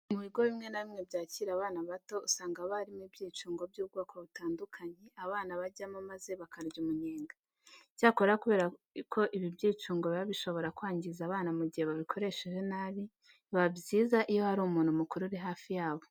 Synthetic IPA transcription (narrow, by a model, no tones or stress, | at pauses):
muβiɡo̞βimŋe̞naβimŋebɟaːciɾaβaːnaβato̞usaːŋɡaβaɾimibɟiːt͡ʃuːŋɡo̞bjuːb̚ɡoːkʰoβutaːndukʰaɲe̞ʔaβaːnaβaɟamomaze̞βakaɾɟumuɲeːŋɡḁ | ɟaːko̞ɾeɾakuβe̞ːɾa | kʰo̞ʔiβibjiːt͡ʃuːŋɡoβiβaβiʃo̞βo̞ɾakwaːɲɟizaβaːnamuɟihe̞βaβikʰo̞ɾe̞ʃeʒe̞naːβi | βabɟiːzaʔijo̞haɾuːmuːnhumukuɾuɾiɦaːfijaːβo̞